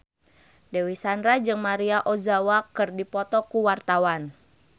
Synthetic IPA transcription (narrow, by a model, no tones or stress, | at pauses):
dewisandɾad͡ʒɨŋmaɾiaʔozawakɨrdipɔt̪ɔkuwart̪awan